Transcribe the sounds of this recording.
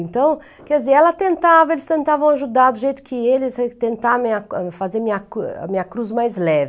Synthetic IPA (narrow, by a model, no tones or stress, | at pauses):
ẽnt̪ɐ̃w̃ | kɛd̪zeɾɛlɐt̪ẽnt̪avɐelɪst̪ẽnt̪avɐ̃w̃aʒud̪aɾd̪ʊʒejt̪ʊ̥kʰɪelɪst̪ẽnt̪amĩɲɐfazeɾmĩɲɐkua̰mĩɲɐkɾuzmajzlɛv